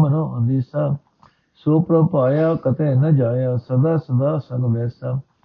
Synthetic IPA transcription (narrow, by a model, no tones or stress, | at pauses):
mənõːɦõnd̪iːsaː | soːpɾəpaːjaːkət̪eːnəd͡ʒaːjaːsəd̪aːsəd̪aːsəkʋ̪ɛːsaː